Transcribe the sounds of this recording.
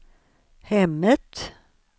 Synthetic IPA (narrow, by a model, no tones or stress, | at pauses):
hɛmnət̪